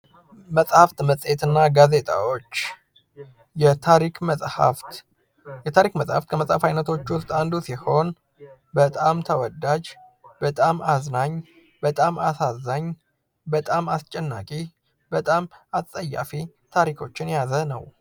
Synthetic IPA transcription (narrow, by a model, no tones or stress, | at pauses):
məsʼhaft̪məsʼet̪ɨnːaɡaze̞t̪ʼa̰wo̞t͡ʃː | jɛaɾikʼaf | jɛt̪ʰaɾikməsʼhaft̪kʰəməsʼhafajnət̪ʰo̞t͡ʃːwʊst̪ʼand̪usiho̞n | bət̪ʼamt̪ʰəwɔd̪ad͡ʒbət̪ʼamaznaɲ | bət̪ʼamasazaɲ | bət̪ʼamast͡ʃʼɛnːa̰kʼi | bət̪ʼamat̪ʼəjːa̰fi | t̪ʰaɾikʰo̞t͡ʃːɪnjazənəw